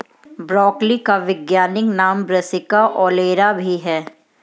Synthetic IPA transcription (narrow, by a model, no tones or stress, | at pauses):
bɾɔːklikaʋɪɡjaːnɪknaːmbɾɐsɪkaʔɔːleːɾabʱiɦɛː